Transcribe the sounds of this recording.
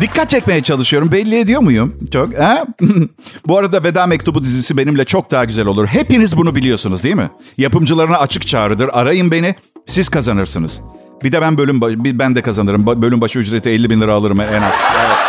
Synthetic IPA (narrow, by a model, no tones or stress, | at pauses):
d̪̥ikʰːat̪̚t͡ʃʰɛcʲme̞jɛt͡ʃʰalˠɯʃɯjo̞ɾumbɛlʲːijɛd̪ijo̞mujumt͡ʃʰokhɛ | buaɾad̪aved̪aːmɛc̚t̪ʰubud̪izisibe̞nimlʲɛt͡ʃʰo̞k̚d̪aɦaɟyzælʲouɾɦe̞pinizbunubilʲijo̞sunuzd̪ijmɪ̰japɯmd͡ʒɯlˠaɾɯnaːt͡ʃʰɯk̚t͡ʃʰaːɾɯd̪ɯɾaɾajɯmbe̞ni | siz̥kʰazanɯɾsɯnɯz̥ | bid̪ɛbænbø̞lʲymbabibænd̪ɛkazanɯɾɯmbbø̞lʲymbaʃɯyd͡ʒɾet̪ʰiɛlʲːibinlʲˠɯɾaːlˠɯɾɯmɛɛnaz̥ɛvɛt̪